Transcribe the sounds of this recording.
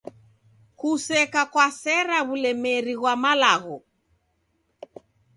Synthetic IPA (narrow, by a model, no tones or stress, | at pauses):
kusɛkakwasɛɾaβulɛmɛɾiɣwamalaɣɔ